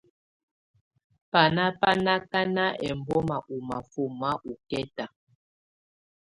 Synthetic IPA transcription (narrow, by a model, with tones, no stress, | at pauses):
pa˨na˦pa˦na˦ka˦na˦ʔɛ˨m˨bɔ˦ma˨ʔu˨ma˨fu˦ma˦ʔu˨kɛ˦ta˨